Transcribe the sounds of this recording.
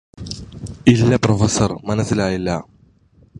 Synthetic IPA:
ilːɐpɾofɐsɐɾmɐnɐsilaːjilːaː

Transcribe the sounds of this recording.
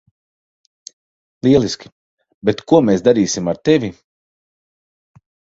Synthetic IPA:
lˠiɛlˠʲiskʲi̥ | bɛt̪kuɔmeːsd̪aɾiːsimaɾt̪evʲi

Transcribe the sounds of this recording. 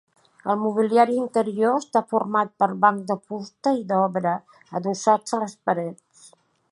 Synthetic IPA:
əlˠmuβ̞iliaɾiːnt̪əɾioəst̪afuɾmat̪̚pəɾβaŋk̚d̪əpust̪əid̪ɔβɾəː | ðusad͡zələspəɾɛt͡s

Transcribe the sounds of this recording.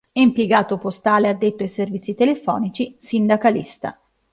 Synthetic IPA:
ɛimpjeɡaːt̪opost̪aːlead̪ːet̪ːoaijservit̪sːit̪elefɔ̰ːnit͡ʃisind̪akalist̪a̰

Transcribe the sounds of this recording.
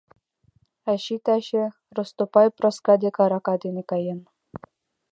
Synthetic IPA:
æɕit̪æɕĕ | rŏst̪opɑjproskɑd̪ʲekɑɾɑkɑd̪ʲenʲekɑjen

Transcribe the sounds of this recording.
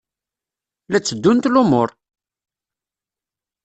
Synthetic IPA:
læt͡sːəd̪ːunt̪lʊmoɾˤ

